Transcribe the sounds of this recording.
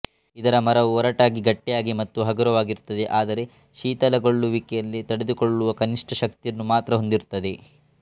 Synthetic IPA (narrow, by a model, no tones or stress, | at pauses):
id̪ɐɾɐmɐɾɐʋuɔɾɐʈaːɡiɡɐʈːɛjaːɡimɐt̪ːuɦɐɡuɾɐʋaːɡiɾut̪ːɐd̪e̞ʔaːd̪ɐɾe̞ | ʃiːt̪ɐlɐɡoɭːuʋikɛjɐlːit̪ɐɽed̪ukoɭːuʋɐkɐniʂʈʰɐʃɐk̚t̪ijɐnːumaːt̪ɾɐɦond̪iɾut̪ːɐd̪e̞